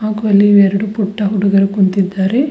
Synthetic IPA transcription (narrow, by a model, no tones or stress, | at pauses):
aːkuʋɐlːiʋɛɾɐɽupuʈːɐɦuɽuɡɐɾɐkunt̪id̪ːaːɾe